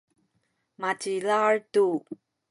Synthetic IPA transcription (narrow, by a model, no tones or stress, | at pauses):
mat͡ɕilaɹtu